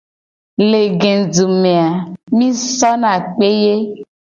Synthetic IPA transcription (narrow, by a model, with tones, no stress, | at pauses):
le˨ɡe˨du˨mẽ˨a˨mĩ˦sɔ˦nã˨k͡pe˦je˦